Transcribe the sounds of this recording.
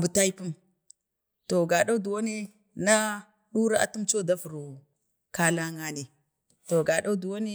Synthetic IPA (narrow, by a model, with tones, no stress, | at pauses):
bu˨ta˦i˦pu˦m | to˨ɡa˨da˦u˦du˨wa˦ni˦ | na˦ | ɗu˦ɾa˦a̰˨tu˦mt͡ʃo˦da˦fu˨ɾu˨ | ka˦la˦ŋa˦ni˨ | to˨ɡa˨ɗa˦u˦du˨wa˦ni˦